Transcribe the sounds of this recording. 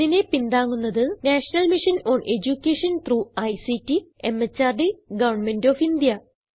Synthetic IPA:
ðine̞pind̪aːŋːunːɐðɨnaːʂɐnɐlmiʂɐnoːɳe̞d͡ʑukʲːeːʂɐnt̪ruːɐjsitːiemːɐt͡ɕːaːrɖiɡɐʋɐɳmendoːfind̪jɐ

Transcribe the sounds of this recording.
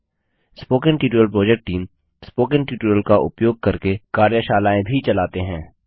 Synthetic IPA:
spoːkə̃nʈiːʈuɾəlpɾoːd͡ʒɛk̚ʈ̚ʈːiːm | spoːkə̃nʈiːʈuɾəlkaʔʊ̰pjoːɡ̚kɐɾkekaːɾjəʃaːlaːẽbʱit͡ʃɐlaːt̪eɦɛ̃ː

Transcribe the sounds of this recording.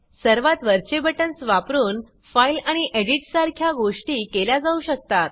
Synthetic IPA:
səɾʋat̪ʋəɾt͡ɕebəʈənsʋapɾuːn | failaɽ̃iʔeɽiʈsaɾkʰjaɡoʂʈiːkelad͡zauɕək̚t̪at̪̚

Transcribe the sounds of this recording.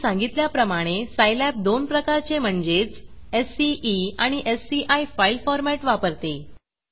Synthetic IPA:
sãŋɡit̪ljapɾəmaɽ̃esajlɛp̚d̪onpɾəkaɾt͡sem̤əɳd͡zet͡sesiiaɽ̃iʔesːiʔajfailfɔɾmæʈʋapəɾt̪e

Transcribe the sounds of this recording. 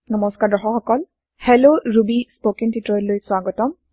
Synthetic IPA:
nɔmɔskadɔɦɔxɔkɔl | hɛloɹubispokiŋtitɹɔjllojswaɡɔtɔm

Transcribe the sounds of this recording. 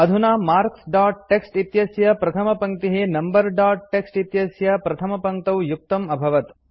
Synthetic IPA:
ɐd̪ʱunaːmaːɾksɖaːʈ̚ːeksʈit̪jɐsjɐpɾɐt̪ʰɐmɐpɐŋt̪iɦeːnɐmbɐɾɖaːʈ̚ʈeksʈit̪jɐsjɐpɾɐt̪ʰɐmɐpɐŋt̪ɐwjuk̚t̪ɐmɐbʱɐʋɐt̪

